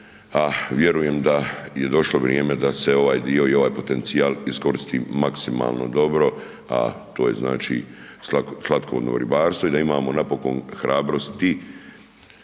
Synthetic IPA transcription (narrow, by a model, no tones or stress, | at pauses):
aʋje̞ɾuje̞md̪aje̞d̪o̞ʃlo̞ʋɾjeːme̞d̪ase̞o̞ʋaːjd̪io̞io̞ʋaːjpo̞t̪e̞nt̪sijaːlisko̞ɾist̪iːmaksima̰ːlno̞̰d̪o̞bɾo̞ | a̰t̪o̞ːje̞̰zna̰ːt͡ʃḭ | slˠat̪̚koʋod̪no̰ʋɾibaːɾst̪ʋo̞id̪aimaːmo̞napo̞konxɾaːbɾo̞st̪i